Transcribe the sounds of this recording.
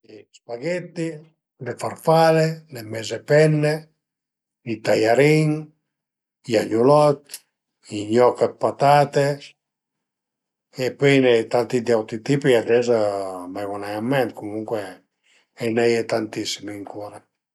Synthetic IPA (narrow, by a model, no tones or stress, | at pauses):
spaɡet̪ːi | lefarfalelemɛzepɛnːe | nit̪ajaɾiŋ | jaɲulɔt̪ | iɲɔkapat̪at̪es | epɔjnet̪ant̪id̪iawt̪ɾit̪ipiadɛzamajwunajamːɛnt̪̚kumuŋkwe | ɛnajet̪ant̪isimiŋkuɾa